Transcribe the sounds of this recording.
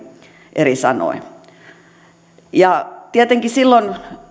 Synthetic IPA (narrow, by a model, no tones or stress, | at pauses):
ʔerisɑno̰i | jɑt̪iet̪eŋkisilːon